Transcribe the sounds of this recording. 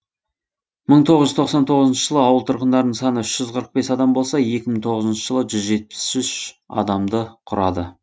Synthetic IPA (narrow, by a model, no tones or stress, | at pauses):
məɴt̪ʰo̞ʁəzʒʏzt̪ʰo̞qsɑnt̪ʰo̞ʁəzənʃəʒəlˠəɑwəlˠt̪ʰʊɾqənd̪ɑɾnəɴsɑnəʏʃʒ̥ʏzqʰəɾəq̚be̞sɑd̪ɑmbo̞lˠsɑje̞kʲɪməɴt̪ʰo̞ʁəzənʃəʒəlˠəʒʏzʒe̞t̪̚pɪ̥sʏʃ | ɑ̰d̪ɑmd̪əqʰʊɾɑd̪ə